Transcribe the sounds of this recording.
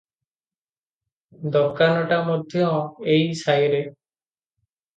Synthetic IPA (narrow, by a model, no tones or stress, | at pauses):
d̪ɔɾkanɔʈamɔd̪ʱjɔejsajɾe